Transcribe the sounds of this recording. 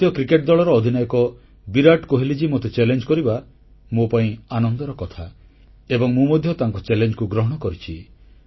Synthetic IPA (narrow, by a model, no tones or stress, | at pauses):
t̪jɔkɾikeʈ̚d̪ɔɭɔɾɔːd̪ʱinajɔkɔ | biɾaʈkoɦilid͡ʒimot̪et͡ʃelend͡ʒkɔɾiba | mopaĩanɔnd̪ɔɾɔkɔt̪ʰa | ebɔŋmũmɔd̪ʱjɔt̪aŋkɔt͡ʃelend͡ʒkuɡɾɔɦɔɽ̃ɔkɔɾit͡ʃʰi